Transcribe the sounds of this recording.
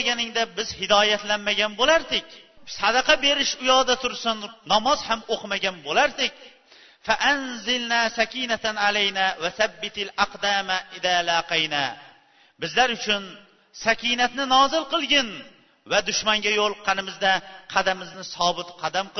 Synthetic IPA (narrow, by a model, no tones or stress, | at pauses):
ɡʲanɪŋd̪abɪzhɪd̪ɒːjat̪lanmaɡʲanbolaɾd̪ɪkʲ | sɑd̪ɑqʰɑbe̞ɾɪʃʊjɒːd̪at̪ʰʊɾsɪnːɒmɒz̥hamoqʰmaɡʲanbolaɾd̪ɪkʲ | faʔanzɪlnaːsakʲinat̪ʰanalajnavaθabːɪt̪ʰalaqd̪amaʔɪðaːlaqijna | bɪzlaɾʊt͡ʃʰʊn | sakʲinat̪nɪnɒzɪlˠqɨlˠɡʲɪn | vad̪ʊʃmaŋɡʲajolˠqʰɑnɪmɪzd̪aqʰɑd̪amɪznɪsɒbɪt̪qʰɑd̪amq